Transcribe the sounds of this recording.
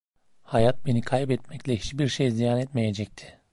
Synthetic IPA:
hajat̪̚be̞nikʰajbɛt̪mɛclʲɛhit͡ʃbiɾʃejzijaːnɛt̪me̞je̞d͡ʒɛc̚t̪ʰɪ̥

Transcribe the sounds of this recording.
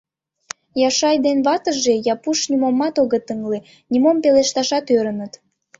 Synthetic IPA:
jɑʃɑjd̪enβɑt̪əʒe̽jɑpuʃnʲimomːɑt̪oɣət̪əŋle | nʲimompeleʃt̪ɑʃɑt̪øɾənət̪

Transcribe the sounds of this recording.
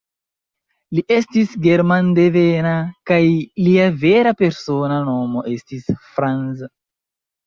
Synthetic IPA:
liʔe̞stisɡe̞ɾmandevenakajliave̞ɾape̞ɾso̞nano̞mo̞ʔe̞stisfɾanza

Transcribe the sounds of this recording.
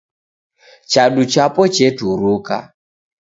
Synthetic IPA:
t͡ʃaɗut͡ʃapɔt͡ʃetuɾuka̰

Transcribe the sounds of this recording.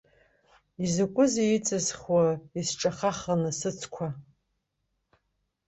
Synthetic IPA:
izɨkʷʼʊzejit͡sʼɨzχwaisʈ͡ʂʼaχaχanɨsɨt͡sʰkʷʰa

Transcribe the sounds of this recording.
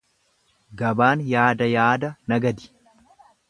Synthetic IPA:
ɡɐbaːnjaːd̪ɐjaːd̪ɐnɐɡɐd̪ɪ̥

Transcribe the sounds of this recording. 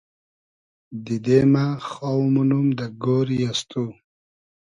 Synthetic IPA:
d̪id̪emaxawmunumd̪əɡoɾjast̪u

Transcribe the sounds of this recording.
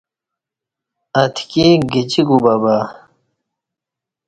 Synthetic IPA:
ɐt̪ʰkeɡit͡ɕiɡubaba

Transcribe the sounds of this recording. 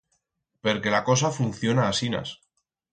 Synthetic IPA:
pe̞ɾke̞lako̞s̬afun̟θjo̞naːsina̰s

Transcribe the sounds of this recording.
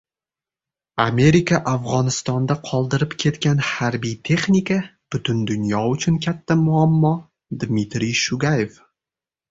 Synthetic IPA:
ame̞ɾɪkʰaʔafʁɒnɪst̪ɒnd̪aqʰɒlˠd̪ɪɾɪpkʲʰe̞t̪kʲanhaɾbijt̪ʰe̞χnikab̥ʊt̪ʰʊnd̪ʊnjɒʊt͡ʃʰʊnkʲʰat̪ʰːamʊamːɒ | d̪mit̪ɾijʃʊɡajef

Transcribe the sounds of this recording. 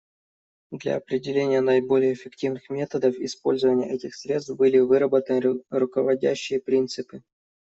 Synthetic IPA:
d̪lʲɐ̰ɐpɾʲɪdʲɪlʲenʲɪjənəɪbo̞lʲɪjəːfʲɪktʲivnɨxmʲe̞t̪əd̪əfɪspo̞̰lʲzəvənʲɪjə̰ʔɛtʲɪxsɾʲe̞t̪st̪bɨlʲɪvɨɾəbət̪ənɨɾʊkəvɐdʲæ̰ɕːɪjəpɾʲint̪sɨpɨ

